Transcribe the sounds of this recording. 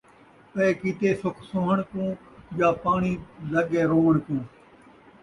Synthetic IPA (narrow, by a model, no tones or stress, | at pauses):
peːkit̪eːsʊkʰsoːɦəɳkũː | jaːpaːɳiːləɠeːɾoːʋəɳkũː